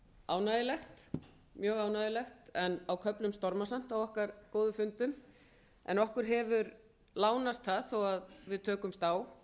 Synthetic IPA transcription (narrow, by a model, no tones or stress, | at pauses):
aːwnaðɪlɛxt̪ | mjœːɣaːwnaðɪlɛxt̪ɛnawkʰœplʏmst̪ɔɾmasam̥t̪awɔhkaɾkoːwðʏfʏnt̪ʏm | ɛ̰nɔhkʏɾ̥ɦɛvʏɾ | laːwnast̪θaðθɔwaðvɪðt̪ʰœːkʏmst̪aːw